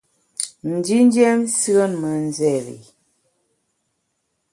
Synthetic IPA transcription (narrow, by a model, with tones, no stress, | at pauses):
n̩˨d͡ʒi˦n˦d͡ʒɛ˦msi˦o˦nmə˨˦n˦˨zɛ˦˨ɾḭ˨